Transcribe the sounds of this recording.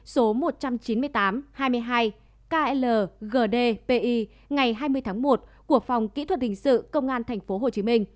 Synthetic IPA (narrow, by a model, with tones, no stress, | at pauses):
so˨˦mo˨˩t̚t͡ɕa˧mt͡ɕi˨˦nmɨ˧əjt̪aː˨˦mhaː˧jmɨ˧əjɦaː˧j | kaː˧ʔɛ˧ləː˨˩ɣəː˨˩ɗe˧pe˧ʔi˧ | ŋa˨˩jɦaː˧jmɨ˧əjt̪ʰaː˨˦ŋmo˨˩t̚ku˧˩ək̚fa˨˩wŋ͡mkḭ˧˥t̪ʰwə˨˩t̚hï˨˩ŋ̟sɨ̰˧˨kə˧wŋ͡mʔaː˧nt̪ʰɛ˨˩jŋ̟fo˨˦ɦo˨˩t͡ɕi˨˦mï˧ŋ̟